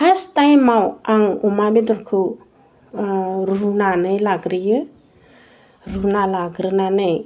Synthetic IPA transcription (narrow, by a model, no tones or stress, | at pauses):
hastajmawaŋumabed̪ɔɾkʰu | ɾunanəjlaɡɾijə | ɾunalaɡɾənanəj